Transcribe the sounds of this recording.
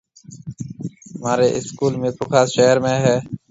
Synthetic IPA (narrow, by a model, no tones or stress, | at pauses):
maːɾeːʔɪskuːlmẽːpʊkʰaːsʃeːɾmẽːɦɛː